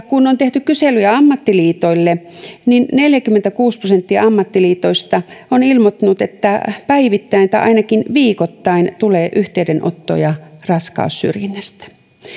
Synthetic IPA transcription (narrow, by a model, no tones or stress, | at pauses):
kunːont̪eht̪ykkyselyjæɑmːɑt̪ːiliːt̪oilːe | ninneljækymːent̪ækuːsprosent̪ːiɑɑmːɑt̪ːiliːt̪oist̪ɑonilmot̪ːunut̪et̪ːæpæiʋit̪ːæint̪æ̰ʔɑ̰inɑkinʋiːkot̪ːɑint̪uleːʔyht̪eydenʔo̰t̪ːo̰jɑrɑskɑ̰ussy̰rjinːæst̪æ̥